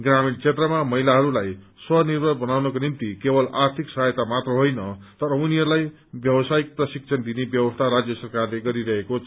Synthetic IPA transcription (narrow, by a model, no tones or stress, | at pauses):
ɡramint͡sʰet̪rʌmamʌɦilaɦʌɾulaj | swʌnirbʌrbʌnawnʌkonint̪ikebʌlart̪ʰiksʌɦajt̪amat̪rʌɦojnʌt̪ʌɾʌuniɦʌɾulaj | bjʌbʌsaik̚prʌsik̚t͡sʰʌnd̪inebjʌbʌst̪ʰaɾad͡zjʌsʌrkarleɡʌɾiɾʌɦekot͡sʰ